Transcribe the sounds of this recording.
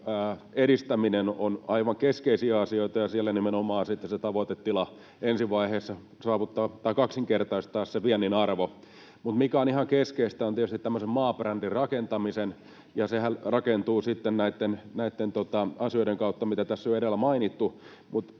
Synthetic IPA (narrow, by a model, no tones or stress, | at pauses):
æːeɾist̪æminenonɑiʋɑŋkeskeisiæɑsioit̪ɑjɑsielːænimenomɑːnsit̪ːeset̪ɑʋot̪et̪ːilɑ | ensiʋɑiheːsːɑ | sɑːʋut̪ːɑɑt̪ɑikɑksiŋkert̪ɑist̪ɑːsseʋiænːinɑrʋo | mut̪mikæonihɑŋkeskeist̪æont̪ietyst̪it̪tæmːøsemmɑːprændirrɑkent̪ɑmisen | jɑsehælrɑkent̪uːsit̪ːennæit̪ːennæit̪ːent̪ot̪ɑɑsioiɾeŋkɑut̪ːɑmit̪æt̪æsːyøoeɾelːæmɑinit̪ːu | mut̪